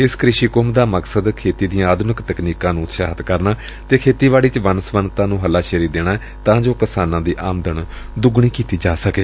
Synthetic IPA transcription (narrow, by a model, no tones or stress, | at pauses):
ɪskɾɪʃiːkʊmd̪aːməksəd̪kʰeːt̪iːd̪iːãaːd̪ʊnɪkt̪əkniːkãːnũːt̪ʃaːɦət̪kəɾnaː | t̪eːkʰeːt̪iːʋaːɭiːt͡ʃʋənəsʋənt̪ãːnũːɦəlːaːʃeːɾiːd̪eːɽ̃aːɛ | t̪ãːd͡ʒoːkəsaːnãːd̪iːʔaːmd̪əɳ | d̪ʊɡɳ̃iːkiːt̪iːd͡ʒaːsəkeː